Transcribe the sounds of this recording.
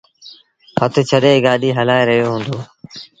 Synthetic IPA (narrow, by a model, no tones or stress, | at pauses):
hət̪ʰt͡ʃʰəɗeːɡaːɗiːɦəlaːeɾəɦijoːɦũːnd̪oː